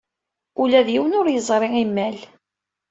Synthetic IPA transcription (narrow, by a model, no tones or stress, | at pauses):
ulæðjiwənʊɾjəzˤɾˤiimːæl